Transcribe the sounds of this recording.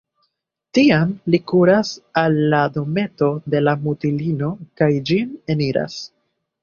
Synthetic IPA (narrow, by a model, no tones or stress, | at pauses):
tiamlikuɾasalːado̞me̞to̞de̞lamutilino̞kajd͡ʒine̞niɾa̰s